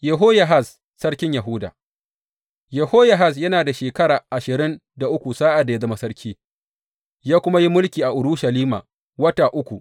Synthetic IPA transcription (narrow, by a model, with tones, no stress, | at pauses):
jɛ˨ɦoː˦ja˨ɦa˦˨sː | ɐ˦ɽkʲɪ˦ɲja˨ɦʊ˦da̰ː˨ | jɛ˨hoː˦ja˨ɦa˦˨s̬jɐ˦naː˨da˨ʃeː˨kɐ˦ɽaː˨ʔa˨ʃɪ˨ɾɪ˦n | da˨ʔʊ˦kʷu˨saː˦ʔa˨da˨ja˦zɐ˦ma˦sɐ˦ɾkʲʰiː˦ | jaː˦kʷʊ˦ma˦ji˦mʊ˦lkʲiː˨ʔa˨ʔʊ˨ɾʊ˦ʃɐ˨liː˦ma̰ː˨ | wɐ˦taː˨ʔʊ˦kʷu˨ʔ